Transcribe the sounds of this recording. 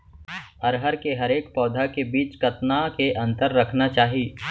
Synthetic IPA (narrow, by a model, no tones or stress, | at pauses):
ɐɾɦəɾkeɦɐɾeːkpɔːd̪ʱakebiːt͡ʃkɐt̪nakeʔɐ̃nt̪əɾːɐkʰnat͡ʃaːɦiiː